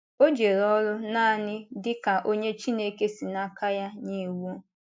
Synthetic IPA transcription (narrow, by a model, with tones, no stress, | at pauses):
o˦d͡ʒe˨ɾɔ˦lʊ˦naː˦a˨nɪ˦dɪ˦ka˨ʔo˦ɲe˦t͡ʃi˦ne˦ke˦si˨na˦ka˦ja˦ni˦wo˦